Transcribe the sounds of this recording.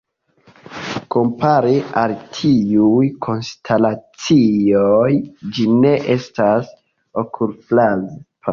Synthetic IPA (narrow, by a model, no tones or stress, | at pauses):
ko̞mpʰaɾialtʰiujkʰo̞nstʰalat͡siojd͡ʒine̞ʔe̞stas | okʰulplazp